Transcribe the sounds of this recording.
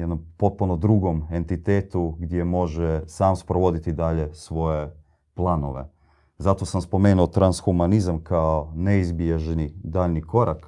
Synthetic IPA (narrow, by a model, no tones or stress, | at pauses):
jed̪nompo̞t̪̚punod̪ɾuɡo̞me̞nt̪it̪eːt̪uɡd̪je̞mo̞ʒesaːmspɾoʋo̞d̪it̪id̪aʎesʋo̞je̞ | plˠano̞̰ʋḛ | zat̪o̞samspo̞me̞ːnuot̪ɾansxumanizamkaoneizbieʒnid̪aːʎniko̞ɾak